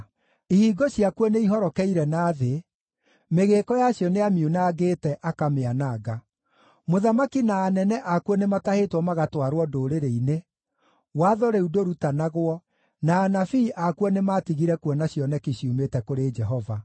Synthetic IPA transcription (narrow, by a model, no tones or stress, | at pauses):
ihiːɡoɕiakuɔneiɦɔɾɔkɛiɾɛnaːðe | meɣekɔjaɕjɔneamiunaːɡeːtɛʔakameanaːɡa | moðamakinaːnɛnɛʔakwɔnematahetwɔmaɣatwaɾwɔdoːɾeɾeine | waːðɔɾɛudoɾutanaɣwɔ | naːnafiːʔakuɔnematiɣiɾɛkuɔnaɕjɔnɛkiɕjumetɛkoɾed͡ʒɛɦɔva